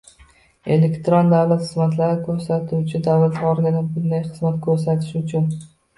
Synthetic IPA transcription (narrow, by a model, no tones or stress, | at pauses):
e̞lekʲt̪ɾond̪awlat̪χɨzmat̪laɾɪkʰɵɾsat̪ʰut͡ʃʰɪd̪awlat̪ɒɾɪɡʲɪnɪbʊnd̪ajχɨzmat̪kʰɵɾs̬at̪ʰɪ̥ʃʊt͡ʃʰʊn